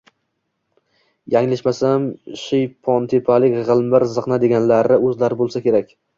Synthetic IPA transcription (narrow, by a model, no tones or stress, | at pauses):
jaŋlaʃmasamʃɪjpʰɒnt̪ʰɪpʰalɪkʲʁɨlˠmbɪɾzɨqnad̪e̞ɡʲanlaɾɪɵzlaɾɪbolˠsakʲʰe̞ɾakʲ